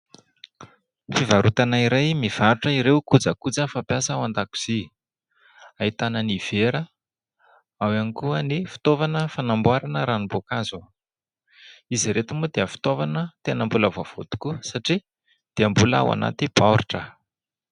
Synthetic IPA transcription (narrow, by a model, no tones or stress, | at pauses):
fivaɾut̪anaiɾajmiv̥aɾuʈ͡ʂəiɾewkud͡zəkud͡zəfapjasawand̪aku̥z̥i | ait̪anəniv̥eɾə | awanikuənifi̥t̪ovanəfanambaɾanəɾanibokazu | iziɾet̪umud̪eəfi̥t̪ovanət̪enəmbuləvov̥o̰t̪u̥kuəsaʈ͡ʂi | d̪̥eəmbula̰wa̰na̰t̪ib̥aɾuʈ͡ʂə